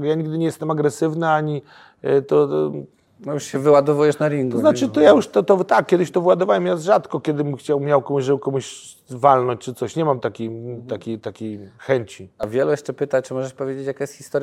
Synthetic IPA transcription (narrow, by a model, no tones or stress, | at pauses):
ɡjaɲiɡd̪ɘɲʲɛjɛst̪ɛmaɡɾɛsɘvnaaɲi | t̪ɔ | juʂɕɛvɘwad̪ɔvujɛʂnaɾʲiŋɡ̪ɔznat͡ʂɨt̪ɔjajuʂt̪ɔt̪ɔt̪akːʲɛd̪ɪɕt̪ɔvwad̪ɔvawɛmjazʐat̪kɔkʲɛd̪ɘxt͡ɕawmʲjawkɔmuʐɛwkɔmuɕvalnɔɲt͡ɕt͡ʂɘt̪sɔɕɲɛmamt̪akʲejt̪akʲejt̪akʲejxɛɲt͡ɕiavʲjɛlujɛʂt͡ʂɛpɘt̪at͡ʂɨmɔʐɛʂpɔvjed͡ʑet͡ɕjakajɛst̪xʲist̪ɔɾj